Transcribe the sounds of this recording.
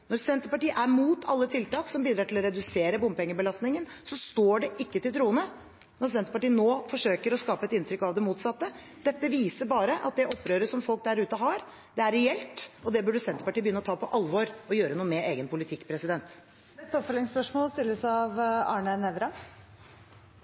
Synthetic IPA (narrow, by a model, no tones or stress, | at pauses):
nɔɾsɛnt̪əpɑʈiːəʔæɾmuːt̪ʰɑ̰lːət̪ʰɪlt̪ɑːksɔmbiːd̪ɾɑːʈɪlɔɾɛd̪ʉseːɾəbʊmpɛŋːəbəlɑst̪nɪŋənsɔst̪oːɖɛʔɪkːət̪ɪlt̪ʰɾuːənə | nɔɾsɛnt̪əpɑʈiːənoːfɔʂøːkəɾɔskɑːpəɛt̪ɪnt̪ʰɾʏkːɑʋd̪ɛmuːt̪sɑt̪ːə | d̪̥ɛt̪ːəʋiːsəɾbɑːɾəʔɑ̰t̪̚d̪ɛʔɔpːɾøːɾəsɔmfɔlk̚d̪æɾʉːt̪əɦɑɾ | d̪ɛæɾɛɛlt̪ɔd̪ɛbʉɖəsɛnt̪əpɑʈiːəbəjʏnːəɔt̪ʰɑːpʰɔʔɑlʋoːɾɔjøːɾənuːəmɛeːɡənpʰʊlɪt̪ʰɪkːpʰɾɛsɪd̪ɛnt̪ | ɛst̪ɔpfœlɪŋspœʂmoːlst̪ɪlːəsɑʋɑːɳənɛʋɾɑ